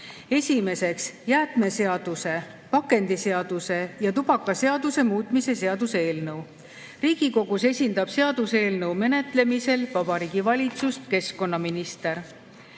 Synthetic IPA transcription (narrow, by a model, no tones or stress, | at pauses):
e̞sʲime̞se̞ksjæːt̪me̞se̞ɑd̪̥use̞ | pɑkːˑe̞nd̪̥ise̞ɑd̪̥use̞jɑt̪ub̥ɑkːˑɑse̞ɑd̪use̞muːt̪ˑmise̞se̞ɑd̪̥useeːlnɤw | riːɡ̥iko̞ɡ̥use̞sʲind̪̥ɑb̥se̞ɑd̪use̞ːlnɤwme̞ne̞t̪ˑle̞mise̞lvɑb̥ɑɾiːɡ̥ivɑlʲit̪sust̪ke̞sko̞nːɑminist̪e̞ɾ